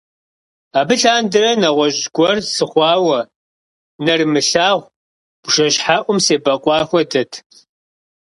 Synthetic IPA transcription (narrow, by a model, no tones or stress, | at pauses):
aːbɨɬaːndɨɾɐnɐʁʷɔʑɡʷɔrsɨχʷɑːwɐ | nɐrmɨɬaːʁʷ | b̥ʒɐɕħaːʔʷʊmseːbɐqʷʼɑːxʷɔdɐtʰ